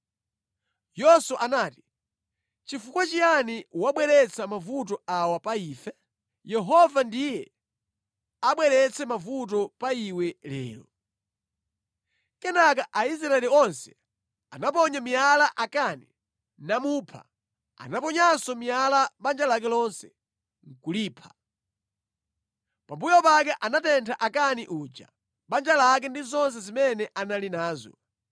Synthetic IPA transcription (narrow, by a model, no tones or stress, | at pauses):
jɔswaʔanaːti̥ | t͡ʃifukwat͡ʃianiwaɓwɛɾɛt͡sʰamavut̬ɔawapaiːfɛ | jɛɦɔvandijɛ | aɓwɛɾɛt͡sʰɛmavut̬ɔpaiwɛlɛ̰ːlɔ | kɛnak̬aʔais̬ɾaɛliɔnsɛ̥ | anapɔɲamialaʔakani | namuːpʰa̰ | a̰napɔɲasɔmijalaɓand͡ʒalak̬ɛlɔnsɛ̥ | ŋ̩kuliːpʰa | pambujɔpak̬ɛʔanatɛntʰaʔakaniʔuːd͡ʒa̰ | ɓand͡ʒalak̬ɛndizɔns̬ɛzimɛnɛʔanalinaːzɔ̰